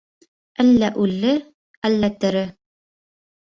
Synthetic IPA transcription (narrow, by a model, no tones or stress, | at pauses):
ælːæʔʉlːɘ | ælːæt̪ɵ̆ɾɘ